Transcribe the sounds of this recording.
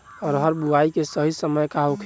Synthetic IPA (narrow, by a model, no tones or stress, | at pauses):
ɔːɾɦəɾbuaikesəɦisəməjkaɦokʰ